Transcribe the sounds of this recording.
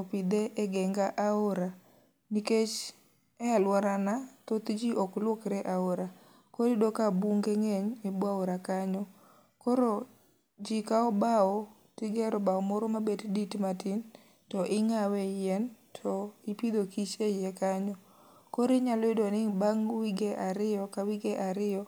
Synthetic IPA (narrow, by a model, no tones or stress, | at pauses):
opɪd̪eʔɛɡɛŋɡaʔaoɾa | niket͡ʃ | ɛalwaɾanat̪ot̪d͡ʒiʔɔklwokɾɛʔaoɾa | koɾidokabuŋɡeŋɛɲebwaoɾakaɲɔ | koɾo | d͡ʒikaɔbaɔ | tɪɡɛɾɔbaɔmɔɾɔmabedditmatin | tɔʔɪŋawɛjɛntʰɔɪpid̪okit͡ʃejɛkaɲɔ | koɾɪɲalɔɪdonɪbaŋwiɡeʔaɾɪjɔkawiɡeʔaɾɪjɔ